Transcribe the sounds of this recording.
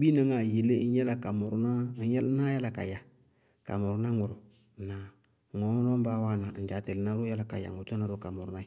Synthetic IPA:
bi˦nə˦ŋa˨je˨le˦jɛ˦la˨ka˨mʊ˨ɾʊ˦na˦jɛ˦lna˦ja˦la˨ka̰˨ja˨ | ka̰˨mʊ˨ɾʊ˦na˦ŋʊ˨ɾʊ˨ | na˨ | ŋɔ˨˦nɔ˦m˦ba˦wa˦na˨n̩˦d͡ʒa˨te˨lna˦ɾja˦la˨ka̰˨ja̰˨ŋʊ˨tu˦na˦ɾʊ˦ka˨mʊ˨ɾʊ˦na˦

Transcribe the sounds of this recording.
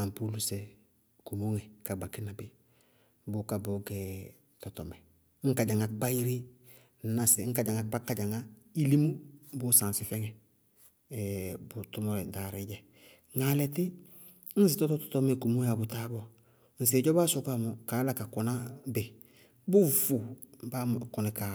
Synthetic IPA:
a˨mpu˦lu˦se˨ | ku˨mo˦ŋe˨ka˨ɡ͡ba˨kɪ˦na˨bɪ˨ | bʊ˦ka˨bo˨˦ɡɛ˨ | tɔ˨tɔ˨mɛ˨˦ | ŋ̩˦ka˨ɟa˨ŋa˨˦ɡ͡ba˦i˦ɾi˦˨ | na˨si˨˦ŋ̩˦ka˨ɟa˨ŋa˨ba˦kːa˦ɟa˨ŋa˦i˦li˦mu˦bʊ˦sã˨nsɪ˨fɛ˦ŋɛ˨ | bu˨tu˦mo˦ɾɛ˨da˨ɾi˦ɟɛ˨ | ŋa˨lɛ˨tɪ˦ | n̩˦s̬i˨tɔ˦tɔ˦tɔ̥˨tɔ˦me˦˨ku˨mo˦ja˨bʊ˨ta˦bɔ˦˨ | n̩˨s̬e˨ɟɔ˦ba˦so˨ka˦˨mo˨ka˨˦la˦ka˨ku˨na˦be˨ | bu˦fu˨ba˦ku˨nɛ˨ka˨

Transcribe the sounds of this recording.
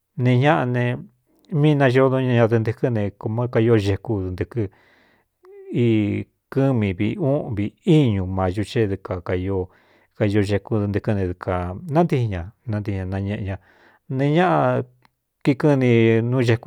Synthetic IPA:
nẽ˧ɲã˦ʔa˧nẽ˧ | mĩː˦˧nã˧ʒo˦˧˦nõ˧˦ɲã˧ɲã˧ðɨ˧nd̪ɨ˧kɨ˦nẽ˧ko˧mã˦ka˧jo˦˧ʒe˧ku˧ðnd̪ɨ˧kɨ˦ | i˦˧˦ | kɨ˦mĩ˧βḭ˧ũ˦ʔβi˧i˦ɲũ˨˧mã˨˧ʒu˧t͡ʃe˦ðu˧ka˨ka˧jo˧ | ka˧jo˧ʒe˧ku˧ðnd̪ɨ˧kɨ˧nẽ˧ðkʰa˨nã˦nd̪i˧hi˧ɲã˧nã˧nd̪i˧i˧ɲã˧nã˧ɲẽ˧ʔɲã˧ | nẽ˧ɲã˦ʔa˧ | ki˧kɨ˦nĩ˧nũ˦ʒe˧ku˧

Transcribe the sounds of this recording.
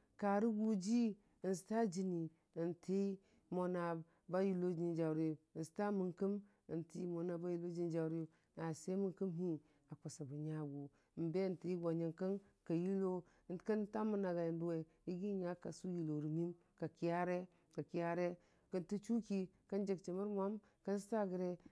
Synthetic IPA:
ka˨ɾi˦ɡu˦d͡ʒi˦˨ | s̬i̥˨ta˦d͡ʒi˨ni˨ | ə˨ntʰe˦i˦ | mo˨na˨ | ba˦ji˨lo˦d͡ʒi˨nd͡ʒa˨wɾi˦˨sta˦mi˨ŋkə˦m | ə˨nti˨˦mo˨na˨ba˦ji˦lo˦d͡ʒi˦n˦d͡ʒa˨ɾi˦˨ | na˨se˦mi˦ŋki˦mɦi˦ | a˨ko˨sa˨bu˨ɲa˨ɡu˨ | m˨be˦˨n˨ti˨˦i˦ɡʷa˨ɲa˨ŋka˦n | ka˨ji˦lo˦˨ | n˨ka˦nta˦mu˦na˨ɡa˨ja˨ndu˦we˨ | i˦ɡi˦ɲa˦ka̰˨su˦ji˨lo˨ɾi˨mi˦m | ka˨ki˦ja˦ɾe˦ | ka˨ki˦ja˦ɾe˦ | kə˨nti˦t͡ʃu˦ki˦ka˦nd͡ʒe˨k̚t͡ʃi˨mu˦ɾmʷa˦m | kə˦n˦s̬ta˦˨ɡə˨ɾe˦

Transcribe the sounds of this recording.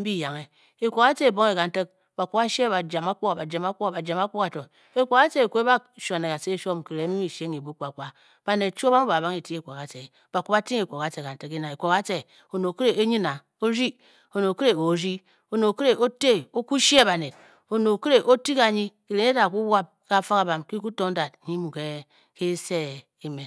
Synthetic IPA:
m̩˦bi˦ja˨ŋe˨ | e˨kʷo˨ka˦t͡ʃe˦e˨bo˦ŋ˦e˨ka˨n̩˦te˦k̚ | ba˨ku˦ba˦ʃe˦˨ba˨d͡ʒa˨ma˦ko˦a˨ba˨d͡ʒa˨ma˦kʷo˦a˨ba˨d͡ʒa˨ma˦kʷo˦ka˨to˨ | e˨kʷo˨ka˦t͡ʃe˦e˨kʷe˦ba˦ʃʷa˨ne˨ka˨se˦˨ʃo˦m˨ki˨ɾe˨˦mi˦mi˨ʃe˦ŋi˨bu˦k͡pa˨ka˦ | b̥a˨ne˨t̚t͡ʃo˦ba˦m˦ba˨ba˦ŋe˨ti˦e˦˨kʷo˨ka˨t͡ʃe˨ | b̥a˨ku˦pa˦ti˦ŋe˨kʷo˨ka˦t͡ʃe˨ka˨n̩˦te˦ki˦na˨e˨kʷo˨ka˦t͡ʃe˨ | o˨no˨ke˦ɾe˨e˦ɲi˦na˨ | o˦ɾi˦ | o˨no˨ke˦ɾe˨o˨ɾi˦ | o˨no˨ke˦ɾe˦ʔo˦te˦˨o˦ku˦ʃi˦e˦ba˨ne˨d | o˨no˨ke˦ɾe˨ʔo˦ti˦ka˨ɲi˦ke˨ɾe˨˦ne˦ta˨ku˦wa˦p̚ka˦fa˦ka˨ba˨mki˦ku˦to˦ŋ˦da˨dɲi˦mu˨ke˦ | ke˦se˦˨ | i˦me˨

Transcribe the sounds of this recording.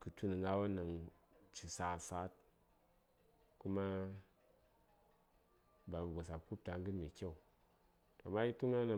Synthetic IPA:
kɨ˨tu˦ni˨ŋa˦wa˦na˨ŋt͡ʃi˨sa˨sa˦t̚ | ku˦ma˦ | ba˨bu˨ɡa˨sa˨ku˦p̚ta˨ŋ˦ɡɨ˦nme˨kʲe˦u˨ | to˨ma˦ji˦tu˦ŋa˦na˨

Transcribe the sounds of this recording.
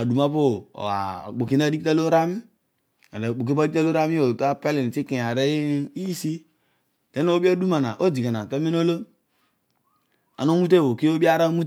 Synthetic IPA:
a˨du˨ma˦po̰˦˨a̰˨k͡po˨ki˦na˦di˦ta˦lo˦ɾa˦mi˦ | a˨la˨k͡po˨ki˦ba˦di˦ta˦lo˦ɾa˦mi˦o˨ta˦pɛ˦li˨n˨ti˦kĩ˨a˨ɾe˦i˦ji˦si˦ | te˦n˦o˦bi˦a˦du˦ma˨na˨ʔo˦d͡ʒi˨ka˨na˨te˦mi˦n˦o˦lo˦ | a̰˨no˦mu˦t̬e˦˨wo˨ki˦o˦bi˦a˦ɾa˦mu˦

